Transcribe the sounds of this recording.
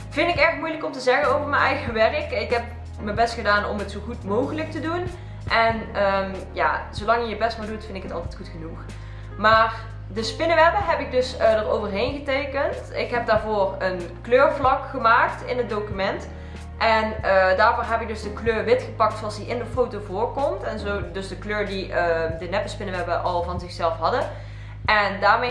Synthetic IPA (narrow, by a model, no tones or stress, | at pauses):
v̥ɪndɪkɛxtmujləkɔmtəzɛɣənowvəɹmənɛjɣəʋɛrəkɪkɦɛp̚ | məbɛstxədaːnɔ̰mɦətsowɣutmowxələk̚tədun | ʔɛnəm | ja̰ːz̥olɑŋjəjəbɛstmɛlˠdutfɪndɪkɦətɑ̰lˠtɛjtxutχənux | maːr | dəspɪnəʋɛpəɦɛpɪɡ̚dɵsədərowvərɦejnɣətejkəntɪkɦɛp̚daːɹvoːrənkløːɹvlɑkχəmaːktɪnɦət̚dowkymɛnt | ʔɛnədaːɹvoːɹɦɛpɪɡ̚dɵzdəkløːrʋɪtxəpɑk̚tsoɑlˠsdiʔɪndəfowtovʊːɹkɔmtɛnzowdɵsdəkløːɹdiədənɛpəspɪnəʋɛpəʔɑlˠvɑnzɪxsɛlˠfɦɑdə | ʔɛndaːɹme